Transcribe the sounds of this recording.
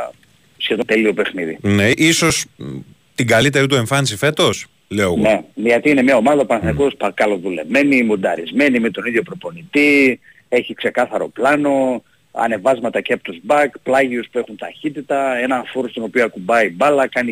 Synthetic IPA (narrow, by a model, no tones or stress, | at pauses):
sçe̞ðot̪e̞lio̞pe̞xniðḭneʔiso̞s | t̪iɡɐlit̪e̞ɾit̪̬ueɱfɐnis̬ife̞t̪o̞s | leoɣone̞ðiɐt̪iine̞mɲɐo̞mɐðɐopɐnɐθniko̞spɐkɐlo̞ðule̞vme̞nimund̪ɐɾizme̞nimet̪o̞niðʝo̞pɾo̞po̞nit̪i | e̞çikse̞kɐθɐɾo̞̰plɐno̞ | ɐ̰ne̞vɐzmɐt̪ɐceɐpot̪uzbɐkplɐʝiuspue̞xunt̪ɐçit̪it̪ɐe̞nɐfoɾost̪o̞no̞pioɐkumbɐibɐlɐkɐni